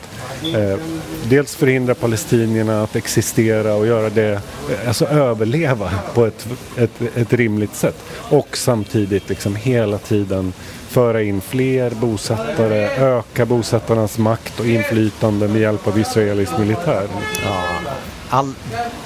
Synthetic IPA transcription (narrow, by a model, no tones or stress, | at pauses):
d̪eːlsfœɾhɪnd̪ɾapʰalɛst̪iːnəɳaːt̪ɛksɪst̪eːɾaɔjœːɾad̪ɛalsɔøːvəɭeːvapʰɔɛt̪ | ɛt̪ɛt̪ɾɪmlɪɡ̚t̪sɛt̪ː | ɔksamt̪ʰiːd̪ɪt̪lɪksɔmɦeːlat̪ʰiːd̪ən | fœːɾaɪnːfleːɾbuːsɛt̪ːaɾəøːkabuːsɛt̪ːaɳasmakt̪ɔɪnːflyːt̪and̪əmɛjɛlpavɪsɾaeːlɪsmɪlɪt̪ʰæːɾ | a